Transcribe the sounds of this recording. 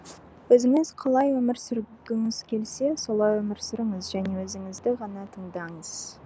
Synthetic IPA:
wɵzɪŋɪz̥qʰɑlˠɑjwɵmɪɾsʏɾɡʲɪŋɪz̥kʲʰe̞lse̞so̞lˠɑjwɵmɪɾsʏɾɪɴəzʒæne̞wɵzɪŋɪzd̪ɪʁɑnɑt̪ʰəɴd̪ɑɴəz̥

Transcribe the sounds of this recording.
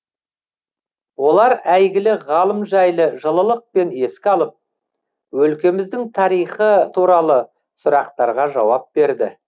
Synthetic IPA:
wo̞lˠɑɾæjɡʲɪlɪʁɑlˠəmʒɑjlˠəʒəlˠəlˠəq̚pe̞ne̞skʲɑlˠəp̚ | wɵlkʲe̞mɪzd̪ɪŋt̪ʰɑɾijχət̪ʰuɾɑlˠə | sʊɾɑqt̪ɑɾʁɑʒɑwɑp̚be̞ɾd̪ɪ

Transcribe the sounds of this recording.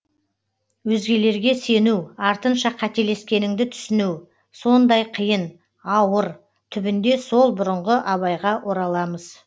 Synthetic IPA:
wɵzɡʲe̞le̞ɾɡʲe̞se̞nuwɑɾt̪ənʃɑqʰɑt̪e̞le̞skʲe̞nɪŋd̪ɪt̪ʰʏ̥sɪnuw | so̞nd̪ɑjqʰəjən | ɑwəɾ | t̪ʰʏbɪnd̪e̞so̞lˠbʊɾəɴʁəʔɑβɑjʁɑwʔo̞ɾɑlˠɑməz̥

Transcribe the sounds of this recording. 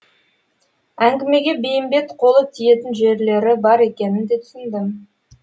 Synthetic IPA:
æŋɡʲɪme̞ɡʲe̞be̞jɪmbe̞t̪qʰo̞lˠəp̚t̪ʰije̞t̪ɪnʒe̞ɾle̞ɾɪbɑɾe̞kʲe̞nɪnd̪e̞t̪ʰʏ̥sɪnd̪ɪm

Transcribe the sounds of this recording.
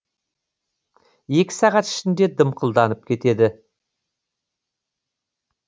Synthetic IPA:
e̞kʲɪ̥sɑʁɑt̪ɪ̥ʃɪnd̪e̞d̪əmqʰəlˠd̪ɑnəp̚kʲʰe̞t̪e̞d̪ɪ

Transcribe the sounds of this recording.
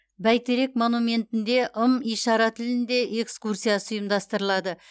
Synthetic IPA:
bæjt̪eɾe̞kmo̞nume̞nt̪ɪnd̪e̞ʔəmijʃɑɾɑt̪ʰɪlɪnd̪e̞ʔe̞kskursʲijasəʊjəmd̪ɑst̪əɾəlˠɑd̪ə

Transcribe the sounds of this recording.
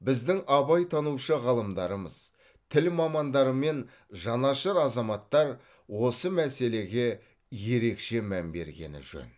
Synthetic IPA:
bɪzd̪ɪŋɑbɑjt̪ʰɑnuʃəʁɑlˠəmd̪ɑɾəmə̰z̥ | t̪ʰɪlmɑmɑnd̪ɑɾəme̞n | ʒɑnɑʃəɾɑzɑmɑt̪ːɑɾ | wo̞səmæse̞le̞ɡʲe̞ | je̞ɾe̞kʃe̞mæmbe̞̰ɾɡʲe̞̰nɪ̰ʒɵ̰n

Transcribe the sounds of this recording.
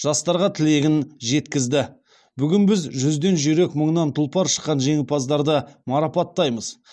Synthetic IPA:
ʒ̥ɑst̪ɑɾʁɑt̪ʰɪle̞ɡʲɪnʒe̞t̪kʲɪzd̪ɪ | bʏɡʲɪnbɪzʒʏzd̪e̞nʒʏɾe̞kməɴnɑnt̪ʰʊlˠpɑɾʃə̥qːɑnʒe̞ŋɪpʰɑzd̪ɑɾd̪əmɑɾɑpɑt̪ːɑjməz̥

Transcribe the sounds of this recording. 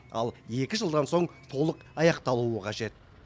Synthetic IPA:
ɑ̰lˠe̞kʲɪʒəlˠd̪ɑnso̞ɴt̪ʰo̞lˠəqɑjɑqt̪ɑlˠuəqʰɑʒe̞t̪

